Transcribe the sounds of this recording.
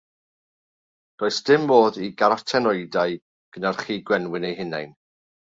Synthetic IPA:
roːɨsd̥ɪmboːðiɡaɾatʰɛnɔɨdaɨ | ɡ̥ənarχiːɡwɛnwɪnejɦɪna̰jn

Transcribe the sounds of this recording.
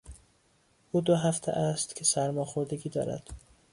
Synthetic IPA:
ʔuːd̪oɦæft̪ʰḛʔæst̪cʲʰesæɾmɒːxoɾd̪eɡiːd̪ɒ̰ːɾæ̰d̪̥

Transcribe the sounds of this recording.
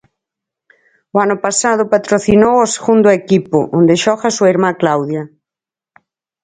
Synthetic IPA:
oanʊpasað̞ʊpat̪ɾoθinowoseɣund̪ʊekipʊ̰ʔond̪eʃɔxasuiɾmaklawðja

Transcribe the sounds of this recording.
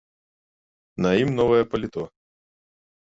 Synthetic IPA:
nɐjimnɔvɐjɛpɐlʲit̪ɔ

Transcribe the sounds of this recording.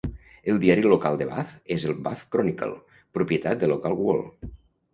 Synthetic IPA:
elˠd̪iaɾilokalˠd̪eβa̰θezelˠbaθkɾɔnika̰lˠ | pɾupjet̪at̪̚d̪elokalˠɣwo̰l

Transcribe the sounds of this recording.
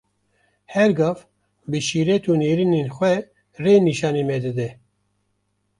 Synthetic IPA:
hɛɾɡɑf | bɨʃiːɾɛt̪ʰuːneːɾineːnxʷɛ | reːniʃɑːneːmɛd̪ɨd̪ɛ

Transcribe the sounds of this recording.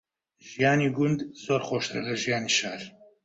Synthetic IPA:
ʒ̥ijaːniːɡʊnd̪z̥oːɾχoːʃt̪ɾɛ̰lɐʒijaːniːʃaːɾ

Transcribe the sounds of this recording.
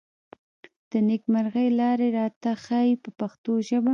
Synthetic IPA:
d̪̥ənekmaɾɣəjlɑɾeɾɑt̪axɑjpəpaxt̪oʒəba

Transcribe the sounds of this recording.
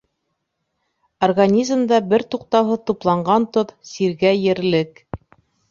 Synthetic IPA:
orɡanʲizmd̪ɑbɘɾt̪uqt̪ɑwɦɤt̪uplˠɑɴɢɑnt̪oðsiɾɡæjɘ̆ɾlɘk

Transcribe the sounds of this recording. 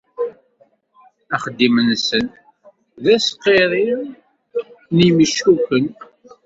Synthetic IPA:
æχəd̪ːimənsən | ðæsqːeɾˤi | nimiʃukʷən

